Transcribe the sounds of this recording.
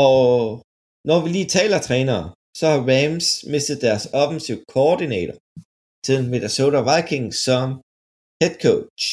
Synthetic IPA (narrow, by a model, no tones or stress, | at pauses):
ɒ̽ | nɒʋiliːt͡sʰɛ̰ːlɐt͡sʰʁɛːnɐː | sɒ̽hɑ̈ʋæmsme̝sd̥ð̞̩ˠd̥æɐsɒ̽fn̩siʊkʰoɒd̥inɛ̰ːɾʰɐ | sʰiðˠnmed̥so̝ːɾɐʋɑ̈ɪkʰeŋsɒ̽m | hed̥̚kʰoʊ